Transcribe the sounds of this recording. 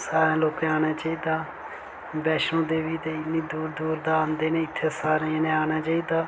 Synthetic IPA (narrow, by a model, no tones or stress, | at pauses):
saːɾãːloːkeaːɽ̃aːt͡ʃaːiːd̪aː | bɛːʃõːd̪eːʋiːt̪eːɪniːd̪uːɾd̪uːɾd̪aːnd̪eːnẽːɪt̪ʰːeːsaːɾẽːnẽːaːɽ̃aːt͡ʃaːiːd̪aː